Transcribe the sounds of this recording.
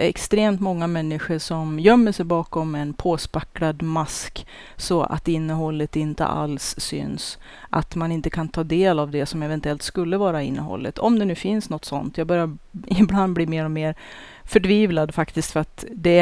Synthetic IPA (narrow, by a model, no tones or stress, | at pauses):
ɛ̰kst̪ɾeːmt̪mɔŋːamɛnːɪɧəʂɔmjœmːəʂɛjbɑːkɔmɛnpʰoːspakːɾad̪mask | sɔa̰t̪ɪnːəɦɔlːət̪ɪnt̪ə̰ʔa̰lsːʏ̰ns | ʔa̰t̪manɪnt̪əkʰant̪ʰɑːd̪eːlavd̪ɛsɔmɛvɛnt̪ɵɛlt̪skɵlːəvɑːɾaɪnːə̰ɦɔ̰lːə̰t̪ʰɔ̰md̪ɛnʉ̟ːfɪnsnɔt̪ːsɔ̰nt̪ʰjɑːɡbœɾjaɾɪbland̪̚bliːmeːɾɔmeːɾ | fœʈʰviːvlad̪fakt̪ɪskt̪fœɾat̪d̪ɛ